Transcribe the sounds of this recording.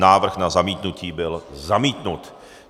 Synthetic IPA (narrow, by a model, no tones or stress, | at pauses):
naːvr̩xnazamiːt̪nuciːbɪlzamiːt̪nut̪